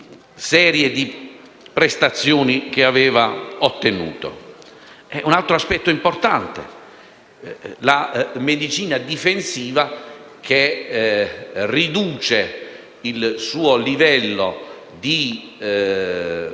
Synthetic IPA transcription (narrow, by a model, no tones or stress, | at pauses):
sɛːɾjed̪i | pɾest̪at̪sːjoːnik̟eavɛːvaot̪ːenṵːt̪o̰ | ɛʔunalt̪ɾoaspɛt̪ːoimport̪ant̪ḛ | lamed̪it͡ʃiːnad̪ifensiːva | k̟e | rid̪uːt͡ʃe | ilsuːolivɛlːo | d̪i